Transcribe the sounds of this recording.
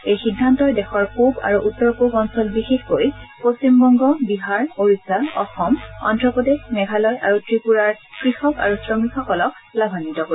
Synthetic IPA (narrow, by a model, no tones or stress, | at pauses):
ejxidʱːantɔɹdɛxɔɹkuba̰ɹuʔutːɔɹkubɔnsɔlbixexkojpost͡ɕimbɔŋɡɔbiɦaɹoɹisaɔxɔmɔ̰ndɹɔpɔdexmɛɡʱalɔjʔaɹutɹipuɹaɹkɹixɔka̰ɹusɹɔmikxɔkɔlɔk̚labʱanitɔko